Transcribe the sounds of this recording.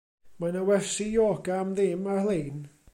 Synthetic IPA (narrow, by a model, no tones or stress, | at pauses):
manawɛrsijoːɡaːmðɪmarlˠeːn